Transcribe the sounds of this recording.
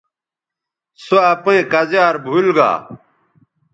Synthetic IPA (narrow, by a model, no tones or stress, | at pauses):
soɐpẽːkɐzjaːɾbʱulɡa̰ː